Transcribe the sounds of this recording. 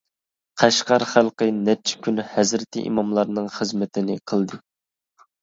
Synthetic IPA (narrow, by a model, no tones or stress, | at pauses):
qʰæʃqɑɾχælˠqənɛt͡ʃʰɪ̥kʲʰynhæzɾɪt̪ʰɪ̰ʔḭmɑmlˠɑɾnɨŋχəzmɪt̪ʰɪnɪqʰəlˠd̪ɨ